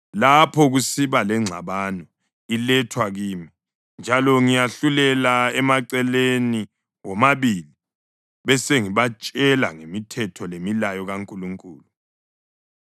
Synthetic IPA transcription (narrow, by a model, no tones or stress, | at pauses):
lapʰɔɣusiβalɛŋ͡ǀʱaβanɔ | ilɛtʰwaɣiːmi | nd͡ʒʱalɔŋijaɬulɛlaɛmaǀɛleni | wɔmaβili | βɛseŋiβat͡ʃʼɛla̰ŋemitʰɛtʰɔlemilajɔɣaŋkʼuluŋkʼuːlu